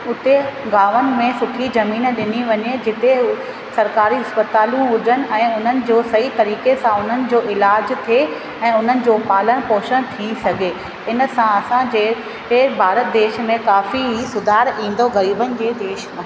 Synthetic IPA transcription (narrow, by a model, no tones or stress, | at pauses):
ʊt̪eɡaːʋənɪ̆mẽsʊʈʰizɐmiːnɗɪniʋɐɲed͡ʑɪt̪e | sɐɾkaːɾiɐspət̪aːlũʊʄən̆ɛ̃ːʊn̤ənɪ̆d͡ʑoːsɐɦit̪ɐɾiːkesãʊn̤ənɪ̆d͡ʑoːʔɪlaːd͡ʑt̪ʰe | ɛ̃ːʊn̤ənɪ̆d͡ʑoːpaːləɽ̃poːʃənt̪ʰĩsɐɡʱe | ɪnə̆sãɐsãd͡ʑeː | ebʱaːɾət̪̚d̪eːʃmẽkaːfiɦisʊd̪ʱaːɾĩːn̆d̪oɣɐɾiːbənɪ̆d͡ʑeːd̪eːʃ